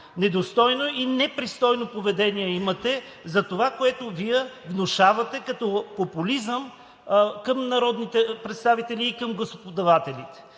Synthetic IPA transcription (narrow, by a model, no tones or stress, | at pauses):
nɛd̪ost̪ɔjnoinɛpɾist̪ɔjnopovɛd̪ɛniɛimɐt̪ɛ | zɐt̪ovakoɛt̪ʊviɛvnoʃavɐt̪ɛkɐt̪ɔpopulizəm | kɐmnɐɾɔd̪nit̪ɛpɾɛt̪st̪avit̪ɛliːkɐmɡlˠosopod̪ɐvat̪ɛlit̪ɛ̥